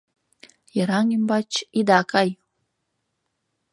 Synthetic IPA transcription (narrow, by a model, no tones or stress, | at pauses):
jəɾaŋimbat͡ʃid̪akʰaj